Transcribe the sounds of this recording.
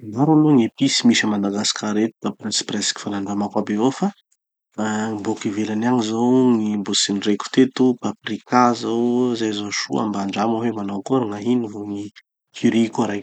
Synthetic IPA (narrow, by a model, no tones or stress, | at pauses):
naɾunuŋipisimisəmand̪aɡasi̥kaɾet̪u̥t̪aprinsprɛsi̥ki̥fanaɳɖ͡ʐamakabevofa | mbokivelanaŋizowŋimbosinreku̥t̪et̪upaprikazawzajzoʃṵa̰mbaɳɖ͡ʐamawemanowkuɾaŋaɦinivoŋi | kʰiɾikuɾaj